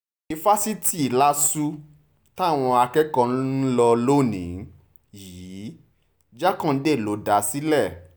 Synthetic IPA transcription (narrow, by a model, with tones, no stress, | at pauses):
i˨fa˦si˦ti˦˨la˦su˦ | ta˦˨w̃ɔ̃˧a˧kɛ˦kɔ̃˦˧˦n̩˦lɔ˧lo˦˨nĩ˨˦ | ji˨˦ | d͡ʒa˦kã˦˨n̩˦de˦˨lo˨˦da˨˦si˦lɛ˦˨